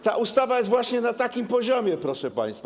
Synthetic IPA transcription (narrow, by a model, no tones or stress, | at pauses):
t̪aʔust̪avajɛsvwaɕɲɛnat̪akʲimpɔʑɔmʲjɛpɾɔʂɛpa̰j̃st̪fa